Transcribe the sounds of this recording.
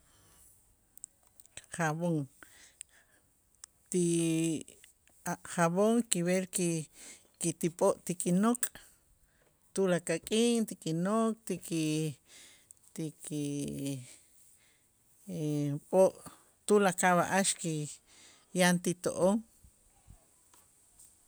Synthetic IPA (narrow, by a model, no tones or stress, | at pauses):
χaβoŋ | t̪i | aχaβoŋkiβeɾki | kit̪ipʼoʔt̪ikʼinokʼ | t̪ulakakʼiːŋt̪ikʼinokʼt̪iki | t̪iki | pʼoʔ | t̪ulakaβaʔaʃki | jant̪it̪o̰ʔoŋ